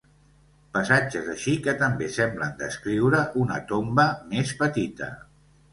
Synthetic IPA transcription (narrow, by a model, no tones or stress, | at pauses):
pəsad͡ʒəzəʃikət̪əmbesɛmblənd̪əskɾiwɾəʔunə̰t̪ombəmespət̪it̪ə̰